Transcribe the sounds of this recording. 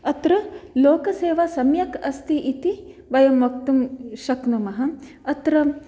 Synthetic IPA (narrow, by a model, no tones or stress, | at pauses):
ɐt̪ɾɐloːkɐseːʋasɐmjɐkɐst̪iʔit̪iʋɐjɐmʋɐkt̪umʃɐknɐmɐɦɐ | ɐt̪ɾɐ